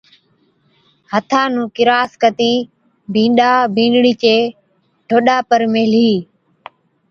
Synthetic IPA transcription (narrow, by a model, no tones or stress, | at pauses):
hət̪ʰãːnũːkɪɾaːskət̪iː | bʱĩːɗaːbʱĩːɖɽiːt͡ʃeː | ʈʰoːɗaːpəɾmeːliː